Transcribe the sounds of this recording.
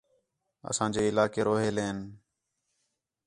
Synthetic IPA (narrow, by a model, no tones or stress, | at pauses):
ə̰sãːd͡ʒeːɪlaːkeːɾoːɦeːleːn